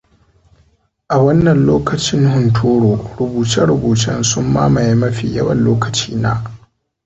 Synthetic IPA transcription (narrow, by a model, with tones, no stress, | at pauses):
ʔa˨wɐ˦nːɐ˨nloː˦kɐ˨t͡ʃɪ˦ŋhʊ˨ntʰoː˦ɾoː˨ɽʊ˨buː˨t͡ʃɪ˦ɽʊ˨buː˨t͡ʃɪ˦nsʊ˦mːa̰ː˦ma˨jmɐ˦ɸḭ˨jɐ˦wɐ˨nloː˦kɐ˨t͡ʃiː˦naː˦